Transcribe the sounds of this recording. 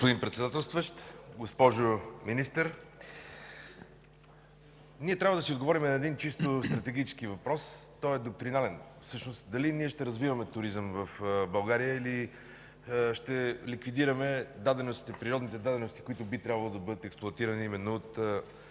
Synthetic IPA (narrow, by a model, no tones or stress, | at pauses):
ɡospʊd̪inpɾɛt̪sɛd̪at̪ɛlˠst̪vəʃt̪ɡospɔʒominist̪əɾ | niɛt̪ɾʲavəd̪ɐsiod̪ɡovɔɾimɛnɐɛd̪int͡ʃist̪ost̪ɾɐt̪ɛɡit͡ʃɛ̥skivɐpɾɔst̪ɔɛd̪ok̚t̪ɾinalɛnfsɤʃnost̪d̪ɐliniɛʃt̪ɛɾɐzvivɐmɛt̪ʊɾizəmvɐfbɐlˠɡaɾijəili | ʃt̪ɛlikvid̪iɾɐmɛd̪ad̪ɛnʊst̪i̥t̪ɛpɾiɾɔd̪nit̪ɛd̪ad̪ɛnost̪i̥kʊit̪ʊbit̪ɾʲabvəlˠod̪ɐbɤd̪ət̪ɛksplˠʊɐt̪iɾɐniimɛnːoot̪